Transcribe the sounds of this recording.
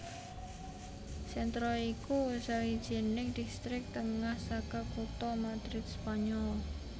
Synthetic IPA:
sɛnt̪ɾɔikusawid̥ʒ̥i̤nɪŋd̪̥ist̪ɾɪk̚t̪əŋahsakakut̪ɔmad̪ɾɪt̪̚spaɲɔl

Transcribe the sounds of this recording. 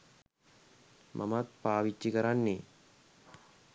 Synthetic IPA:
mʔa̰mat̪̚paːʋit͡ʃːikəɾanːe

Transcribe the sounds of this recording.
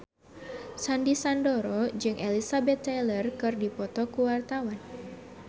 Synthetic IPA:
sandisandoɾɔd͡ʒɨŋʔelisabɛt̪ːɛlərkɨrdipɔt̪ɔkuwart̪awan

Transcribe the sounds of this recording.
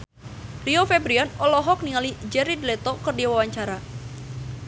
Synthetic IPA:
riofɛbɾianɔlɔɦɔk̚niŋalid͡ʒɛɾidlɛt̪ɔkərdiwawaɲt͡ʃaɾa

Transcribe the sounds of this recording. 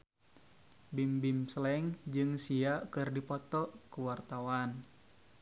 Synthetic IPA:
bimbimsəlɛŋd͡ʒɨŋsiakɨrdipɔt̪ɔkəwart̪awan

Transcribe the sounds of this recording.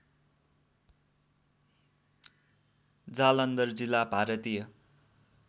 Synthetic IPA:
d͡zalʌnd̪ʌrd͡zilːabʱaɾʌt̪ijʌ

